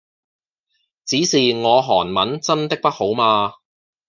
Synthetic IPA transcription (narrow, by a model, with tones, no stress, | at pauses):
t͡siː˨˥siː˨˩ŋɔː˨˧ɦɔː˨˩nmɐ˨˥nt͡sɐ˥nt̪ɪ˥k̚pɐ˥t̚ho˨˥wmaː˧